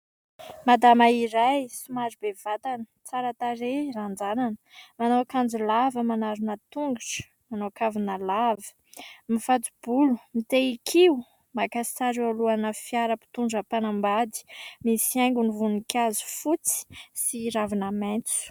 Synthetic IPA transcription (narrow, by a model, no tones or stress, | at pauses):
mad̪amaiɾajsumaɾibev̥at̪anə̥ | t͡saɾat̪aɾeɾand͡zananə̥manoakand͡zulavəmanaɾunət̪uŋɡuʈ͡ʂə̥ | manoakavinəlavə̥ | mifat͡sub̥ulumit̪eikʰiu | makasi̥t͡saɾialuanəfiaɾəpi̥t̪uɳɖ͡ʐəpanambad̪i̥misiajŋɡunivunikʲazu̥fut͡si̥siɾavinament͡su̥